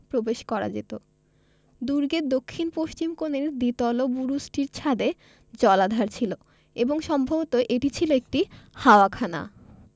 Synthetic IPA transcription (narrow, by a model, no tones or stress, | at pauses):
pɾobeʃkɔɾa̰d͡ʑḛt̪o | d̪uɾɡed̪okʰːinpoʃt͡ɕimkoneɾd̪it̪ɔlobuɾusʈiɾt͡ɕʰad̪e | d͡ʑɔlad̪ʱaɾt͡ɕʰilo | eboŋʃɔmbʱobot̪oʔeʈit͡ɕʰiloek̚ʈihaoakʰana̰